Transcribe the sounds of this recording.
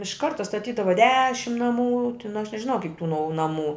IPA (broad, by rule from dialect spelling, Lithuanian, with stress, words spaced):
ɪʃ ˈkɐrtɐ stɐˈtʲiːdɐʋɐ ˈdʲæːʃʲɪm nɐˈmuː tʲɪn ɐʃ nʲɛʒʲɪˈnɐʊ kʲɪk tuː nɐʊ nɐˈmuː